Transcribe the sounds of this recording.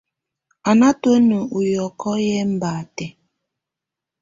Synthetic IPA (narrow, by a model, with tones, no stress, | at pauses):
a˨na˦to˦nu˨ʔu˨jɔ˨kɔ˦jɛ˦m̩˦ba˨tɛ˨